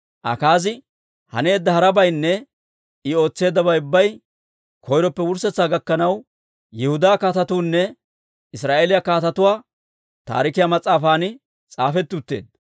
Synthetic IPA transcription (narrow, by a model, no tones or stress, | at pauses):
ʔɐ̰kaːzɪ | hɐ̰ne̞ːd̪ːɐhɐɾɐbɐjnːɛ | ɪo̞ːt͡sːe̞ːd̪ːɐbɐjʊbːɐj | kʰɔjɾɔpːɛwʊɾsɛt͡sːaːɡɐkːɐnɐw | jɛhʊd̪aːkaːt̪ɐt̪uːnːɛ | ɪsɾaːʔeːlɪjɐkaːt̪ɐt̪ʊwaː | t̪a̰ːɾɪkɪjamɐt͡sʼːaːfaːnɪ | t͡sʼaːfɛt̪ːʊt̪ːe̞̰ːd̪